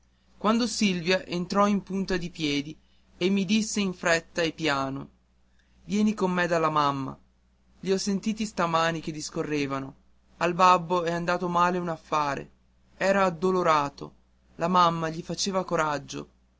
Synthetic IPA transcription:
kwand̪osilvjaʔent̪ɾɔimpunt̪ad̪ipjɛːd̪i | emːid̪isːeiɱfɾɛt̪ːaepːjaːno̰ | vjɛːnikomːed̪alːamamːa̰ | ʎiɔsːent̪iːt̪ist̪amaːnik̟ed̪iskorːeːvano | albabːoɛand̪aːt̪omaːleunafːaːɾḛ | ɛːɾaːd̪ːoloɾaːt̪o̰ | lamamːaʎifat͡ʃeːvakoɾad͡ʒːo̰

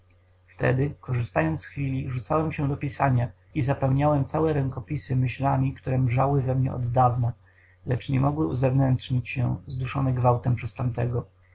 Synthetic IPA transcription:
ft̪ɛ̰d̪ɘkɔʐɘst̪ajɔnt̪sxfʲilʲiʐut̪sawɛmɕɛd̪ɔpʲisaɲa | izapɛwɲawɛmt̪sawɛɾɛŋkɔpʲisɘmɘɕlamʲikt̪uɾɛmʐawɘvɛmɲɛ̰ɔ̰d̪ːavna | lɛt͡ʂɲɛmɔɡwɘuzɛvnɛntʂɲit͡ɕɕɛ̰zd̪uʂɔnɛɡvawt̪ɛmpʂɛst̪amt̪ɛɡɔ

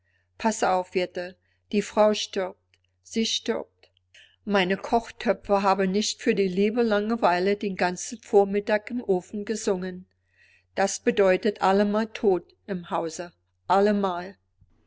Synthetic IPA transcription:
pʰasaʊfv̥ɪtə | d̥iːfʁ̥aʊʃtʏɐp̚t | z̥iːʃtʏ̰ɐp̚t | maɪnəkʰɔχtʰœpp͡fɐɦaːbn̩nɪçtfyːɐdiːliːbəlaŋəvaɪlədeːnɡant͡sn̩foːɐmɪtaːkɪmʔoːfn̩ɡəzʊŋən | d̥asb̥ədɔʏtətʰʔaləmaːltʰoːt | ʔɪmhaʊzə | ʔaləmaːl

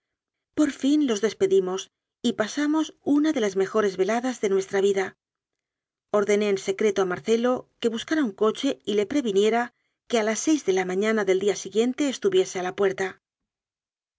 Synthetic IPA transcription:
po̞ɾfinlo̞zðe̞spe̞ðimo̞s | ipasamo̞sunaðe̞lazme̞xo̞ɾe̞zβe̞laðazðe̞nwe̞st̪ɾaβiða | o̞ɾðe̞ne̞ːnse̞kɾe̞t̪oamaɾθe̞lo̞ke̞βuskaɾauŋko̞t͡ʃe̞ile̞pɾe̞βinje̞ɾa | ke̞alasːe̞jzðe̞lamãɲãnaðe̞ld̪iasiɣje̞nt̪e̞ːst̪uβje̞se̞alapwe̞ɾt̪a

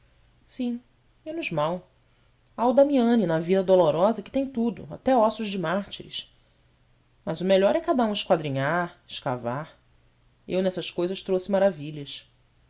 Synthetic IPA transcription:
sĩ | mẽnʊzmaw | awd̪amiɐ̃ninɐvid̪ɐd̪oloɾɔzɐkɪ̥t̪ẽj̃t̪ud̪ʊ̰a̰t̪ɛɔsʊʒd͡ʒɪmaχt͡ʃiɾɪ̰ʃ | mɐzʊmeʎɔɾɛkad̪ɐũɪʃkwad̪ɾĩɲaɾɪ̥ʃka̰vaɾ | ḛwnɛsɐʃkojzɐʃt̪ɾosɪmaɾaviʎɐs

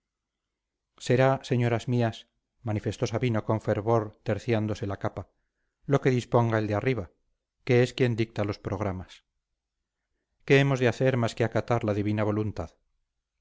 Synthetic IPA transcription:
se̞ɾaseɲo̞ɾazmias | manife̞st̪o̞saβinoko̞ɱfe̞ɾβo̞ɾt̪e̞ɾθjand̪o̞se̞lakapa | lo̞ke̞ðispo̞ŋɡae̞ld̪eariβa | ke̞eskje̞nd̪ik̚t̪alo̞spɾo̞ɣ̞ɾamas | ke̞emo̞zðeaθe̞ɾmaskeakat̪aɾlaðiβinaβ̞o̞lunt̪að

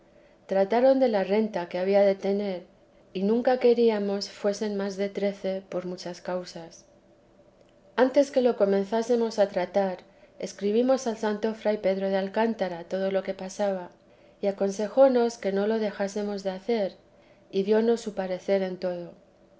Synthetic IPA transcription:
t̪ɾat̪aɾo̞nd̪e̞lare̞nt̪akeaβ̞iaðe̞t̪e̞ne̞ɾ | inũŋkake̞ɾiamo̞sfwe̞se̞nmazðe̞t̪ɾe̞θe̞po̞ɾmut͡ʃaskawsas | ant̪e̞ske̞lo̞ko̞mẽ̞nθase̞mo̞sat̪ɾat̪aɾ | e̞skɾiβ̞imo̞salsant̪o̞fɾajpe̞ðɾo̞ð̞ealkant̪aɾat̪o̞ð̞o̞lo̞ke̞pasaβ̞a | iako̞nse̞xo̞no̞ske̞no̞lo̞ðe̞xase̞mo̞zðe̞aθe̞ɾ | iðjo̞no̞sːupaɾe̞θe̞ɾe̞nt̪o̞ð̞o̞

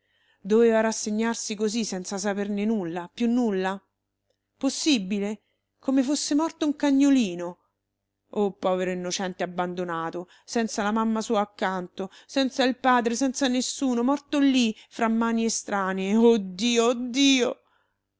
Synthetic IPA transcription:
d̪oveːvaɾasːeɲːarsikozisːɛnt̪sasapernenulːapjunːulːa | posːibile | komefosːemɔrt̪ouŋkaɲːoliːno | opːɔːveɾoinːot͡ʃɛnt̪eabːand̪onaːt̪o | sɛnt̪salamamːasuːaːkːant̪osɛnt̪sailpaːd̪ɾesɛnt̪sanesːuːnomɔrt̪olːifɾamːaːniest̪ɾaːneod̪ːiːod̪iːo

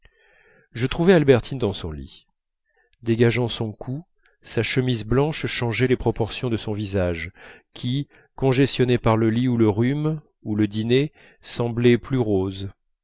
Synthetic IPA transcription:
ʒət̪χuvɛalbɛʁt̪ʰind̪ɑ̃sɔ̃lḭ | d̪eɡaʒɑ̃sɔ̃kʰu | saʃəmizblɑ̃ʃʃɑ̃ʒɛlepχɔpɔʁsjɔ̃d̪əsɔ̃vizaʒkʲʰi | kɔ̃ʒɛst̪jɔnepaʁləliuləʁym | uləd̪ine | sɑ̃blɛplyʁoz

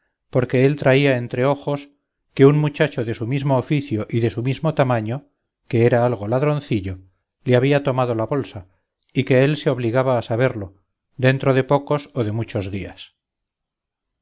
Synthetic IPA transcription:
po̞ɾke̞e̞lt̪ɾaiae̞nt̪ɾe̞o̞xo̞s | ke̞unmut͡ʃat͡ʃo̞ðe̞sumizmoːfiθjoʔiðe̞sumizmo̞t̪amaɲo̞ | ke̞eɾaalɣ̞o̞laðɾo̞nθiʎo̞ | leaβiat̪o̞mað̞o̞laβo̞lsa | ike̞e̞lse̞o̞β̞liɣaβaːsaβ̞e̞ɾlo̞ | d̪e̞nt̪ɾo̞ð̞e̞po̞ko̞soðe̞mut͡ʃo̞zðia̰s

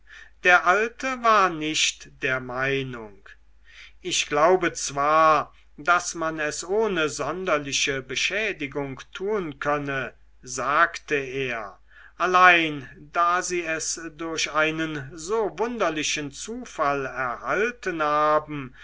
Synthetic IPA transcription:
d̥eːɐʔaltəvaːɐnɪʃtd̥eːɐmaɪnʊŋk | ʔɪʃɡ̥laʊbət͡sv̥aːɐ | d̥asmanɛsoːnəzɔndɐlɪʃəbəʃɛːdɪɡʊŋktʰuːənkʰœnə | zaːktəeːɐ | ʔalaɪndaːziːɛsdʊɐɕaɪnənzoːvʊndɐlɪʃənt͡suːfalɛɐhaltənhaːbm̩

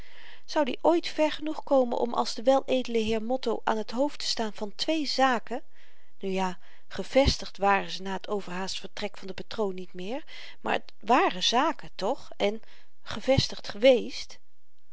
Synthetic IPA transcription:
z̥ɑwdḭʔojtfɛɹχənuχkowmənʔɔ̰mʔɑ̰lˠzdəʋɛlˠejdələɦɪːɹmɔtowʔa̰ːnɦətɦowftə̥staːnvɑntʋejzaːkə | nyjaː | χəv̥ɛstəχtʋaːrəzənaːɦətʰowvəɹɦaːsfəɹtrɛkfɑndəpatrownːitmɪːɹ | ma̰ːɹət | ʋaːrəzaːkətɔχ | ɛn | χəv̥ɛstəχtχəʋejst

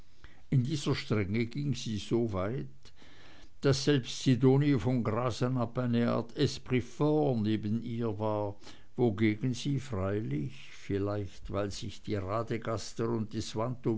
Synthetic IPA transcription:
ɪndiːzɐʃtʁ̥ɛŋəɡ̥iŋz̥iːzoːvaɪt | d̥asz̥ɛlpstsidoːnifɔnɡʁaːzənapaɪnəa̰ːɐtʰɛspʁifɔneːbəniːɐvaːɐ | voɡeːɡn̩ziːfʁaɪlɪç | fɪlaɪçtvaɪlz̥ɪçd̥iːʁaːdəɡastəɾʊnt̚d̥iswanto

